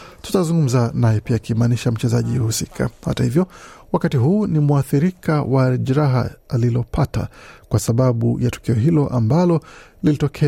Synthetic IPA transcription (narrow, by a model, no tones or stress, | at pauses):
tu̥tazuŋɡum̩zanajɛpiakimaniʃam̩t͡ʃɛzaʄihusikʰa̰ha̰tahivjɔwakatiɦuːnimuaθiɾikawʔaʄiɾaɦa̰ːlilɔpʰata̰kwasaɓaɓṵjatu̥kiɔɦilɔʔambalɔlilitɔkʰɛ